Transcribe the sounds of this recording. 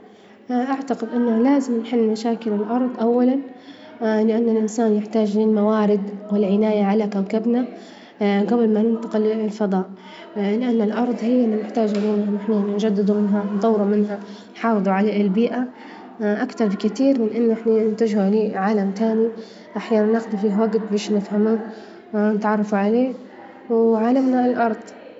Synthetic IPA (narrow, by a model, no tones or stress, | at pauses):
ʔaʕt̪aqɪd̪ʔɪnːalaːzɪmnħɪlːmaʃaːkɪlɪlʔɑɾˤd̪ˤʔawːalan | lɪʔanːalʔɪnsaːnjɪħt̪aːd͡ʒlɪlmawaːɾɪd̪wɪlʕɪnaːjaʕalakamkabna | ɡabɪlmanɪnt̪ˤɑqɪllfɑd̪ˤɑːʔ | lɪʔanːɪlʔɑɾˤðˤhɪjːɪnːanɪħt̪aːd͡ʒʔaluːnanɪħnanɪnd͡ʒad̪ːɪd̪umɪnɦant̪ˤɑwːɾumɪnɦa | nħɑːfɨðˤuʕalaɪlbiːʔa | ʔakt̪ɑɾˤbɪkat̪iːɾmɪnʔɪnːʔɪħnaɪnt̪ad͡ʒhuʕliːʕaːlamt̪aːni | ʔaħjaːnanːɪxd̪ufiːhwaɡt̪̚beːʃnɪfhamuː | nɪt̪ʕɑrˤːɑfuʕaleː | wʕaːlamnaɪlʔɑɾˤd̪ˤ